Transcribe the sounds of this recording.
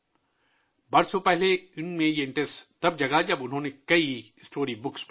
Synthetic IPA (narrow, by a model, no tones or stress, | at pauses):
bɐɾsopɛɦleɪnmẽjeɪ̃ɳʈest̪ɐb̚d͡ʒɐɡad͡ʒɐbʊnɦõːnekɐi | sʈoːɾibʊksp